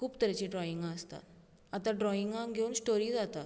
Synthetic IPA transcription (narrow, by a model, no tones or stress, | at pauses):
kuːpt̪əɾat͡ɕiɖɾɔiŋɡaəst̪a̰t̪ | at̪aɖɾɔiŋɡãŋɡʱeuːnsʈoɾiːd͡zat̪a